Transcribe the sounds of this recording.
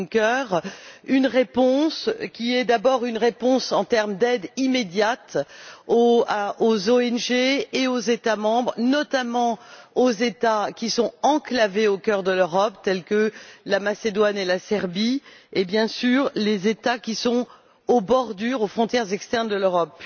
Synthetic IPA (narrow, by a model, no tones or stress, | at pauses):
kœʁynʁepɔ̃skʲiɛd̪abɔʁynʁepɔ̃sɑ̃t̪ɛʁmd̪ɛd̪imed̪jat̪oozoɛnʒeːozet̪amɑ̃bʁnɔt̪amɑ̃ozet̪akʲisɔ̃ɑ̃klaveokʲœʁd̪əløʁɔpt̪ɛlkəlamased̪wanelasɛʁbiebjɛ̃syʁlezet̪akʲisɔ̃ | obɔʁd̪yʁofχɔ̃t̪jɛʁzɛkst̪ɛʁnd̪əløʁɔp